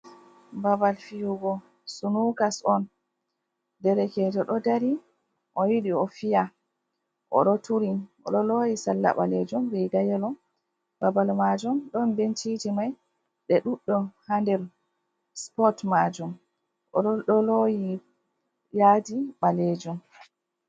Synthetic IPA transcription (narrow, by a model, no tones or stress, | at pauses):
babalfijuɡɔ | sunukasɔn | dɛɾɛkɛtɔɗɔdaɾi | ʔɔjiɗiɔfija | ʔɔ̰ɗɔtuɾiʔɔɗɔlojisalːa̰ɓa̰lɛd͡ʒumɾɛɡajɛlɔm | babalmad͡ʒumɗɔnbent͡ʃid͡ʒimaj | ɗɛɗuɗːɔhandɛɾ | spɔtmad͡ʒum | ʔɔ̰ɗɔɗɔloji | jaːdiɓaled͡ʒum